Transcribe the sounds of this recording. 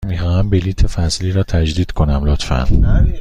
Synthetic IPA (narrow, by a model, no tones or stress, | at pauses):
mixɒːhæmbeliːt̪ʰefæsliːɾɒːt̪ʰæd͡ʒd̪iːd̪̥kʰo̞næmlot̪fæ̰n